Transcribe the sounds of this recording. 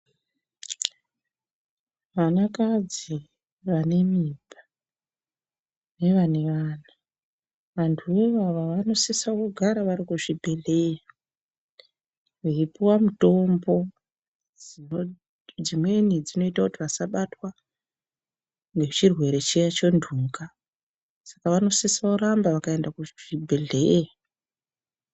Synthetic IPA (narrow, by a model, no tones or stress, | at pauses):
ʋanakad͡zi | ʋane̞miːbʱa | ne̞ʋane̞ʋaːna | ʋantʰueʋaʋaʋano̞sesakoɡʱaɾaʋaɾikuʐibʱe̞leja | ʋeipuwamuto̞mbo̞ | d͡zi | d͡zimwe̞nid͡zino̞itakutiʋasaɓatwa | ŋɡet͡ʃirwe̞ɾe̞t͡ʃejat͡ʃo̞ndʱuːŋɡa | sḁkaʋano̞sesauɾambaʋakaendakuʐ̥ibʱe̞ɮe̞ja